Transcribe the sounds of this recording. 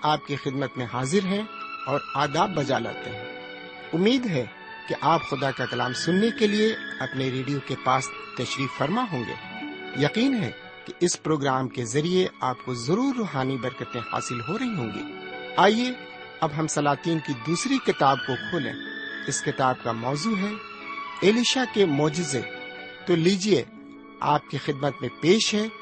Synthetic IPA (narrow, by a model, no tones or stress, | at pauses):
aːp̚kixɪd̪mət̪mẽɦaːzɪɾɦɛ̃ɔːɾaːd̪aːbːɐd͡ʒala̰ːt̪ḛɦɛ̃ː | ʊmːiːd̪ɦɛ | keʔaːpxʊd̪akakɐlaːmsʊnːekelieɐpneɾeːɖijokepaːst̪ɐʃɾiːffɐɾmaɦõːŋɡḛːjɐqiːnɦɛ̰ | keʔɪspɾoːɡɾaːmkezɐɾieaːp̚kozɐɾuːɾːoːɦaːnibɐɾkət̪ẽha̰ːsɪlɦoɾɐɦiɦõːŋɡḭːaːie | ɐbɦɐmsɐlaːt̪iːnkid̪uːsɾikɪt̪aːb̚kokʰoːlḛ̃ːɪskɪt̪aːb̚kamɔːzuːɦɛ | eːliʃakemɔːd͡ʒɪzḛ | t̪oliːd͡ʒie | a̰ːp̚kixɪd̪̚mət̪mẽpeːʃɦɛː